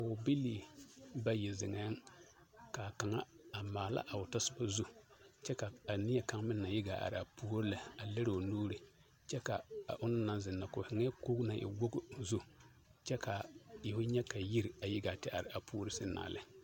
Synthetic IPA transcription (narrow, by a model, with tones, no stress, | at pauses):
ka˨ʊ˨bi˦liː˦ba˦jɪ˨zɪ˨ŋɛ˦ŋ | ka˨ka˨ŋa˦a˨maː˨la̰˦ʔa˨ʊ˨ta˦sɪ˦ba˦zu˦t͡ʃɛ˦ka˨a˨nɪ˦ɛ˨ka˦ŋmɪ˦nːa˨jɪ˦ɡa˨ʔa̰˨ɾɪ˨a˨puː˦ɾɪ˦la˨a˨le˦ɾo˨nuː˦ɾɪ˨ | t͡ʃɛ˦ka˨a̰˨ʔʊ˦nɪ˦na˦nzɪ˨nːa˨kʊ˨hɪ˨ŋ˦ɛ˦ko˦ɡna˨ʔɪ̰˨wo˦ɡzu˦ | t͡ʃɛ˦ka˨jɪ˨hʊ˦ɲɛ˦ka˨ji˦ɾa˨jɪ˦ɡa˨tɪ˦ʔa˨ɾɪ˨ʔa˨pʰu˦ɾɨ˦sɪ˦na̰ː˨lɪ̰˦